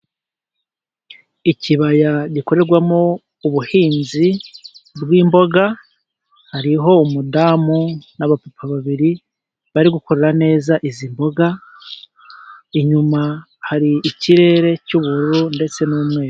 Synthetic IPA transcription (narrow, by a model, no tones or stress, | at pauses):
iciβajaɟiko̞ɾe̞ɾɡwamo | uβuhiːnzibɡwiːmbo̞ɡa | haɾiɦo̞umudaːmunaβapupʰaβaβiɾi | βaɾiɡuko̞ɾe̞ɾane̞ːzaʔizimbo̞ɡa | iɲuma | haɾiːciɾe̞ːɾe̞cuβuɾuɾunde̞t͡se̞numŋe̞ːɾo